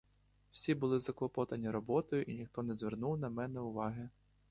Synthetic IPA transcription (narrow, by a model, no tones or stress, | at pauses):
w̥sʲibʊlˠɪzɐklˠɔpɔt̪ɐnʲiɾɔbɔt̪ɔjʊʔinʲixt̪ɔnɛzʲʋʲernuwnɐmɛnɛʊʋɑɦɪ